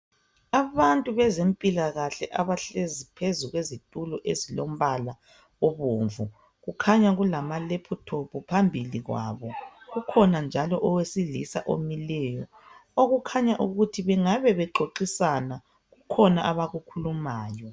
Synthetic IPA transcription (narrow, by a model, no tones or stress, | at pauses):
aβantʼuβɛzempʼilaɣaɬɛʔaβaɬezipʰezuɣwezitʼulɔʔezilom̩βala | ɔβoːɱvu | ɣukʰaɲaɣulamalepʰutʰopʰɔpʰambʱiliɣwa̰βɔɣukʰɔnand͡ʒʱalɔʔɔwesiɮisaʔo̰milɛjɔ | oɣukʰaɲaʔuɣutʰiβɛŋaβɛβɛǃoǃisana | ɣukʰɔnaʔaβaɣukʰulumaːjɔ